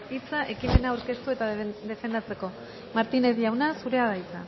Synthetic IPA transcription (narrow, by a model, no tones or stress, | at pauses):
it͡saʔe̞kime̞naːwɾke̞st̪ue̞t̪ad̪e̞fe̞nd̪at͡se̞ko̞ | maɾt̪ine̞ðiawnasuɾe̞aðait͡sa̰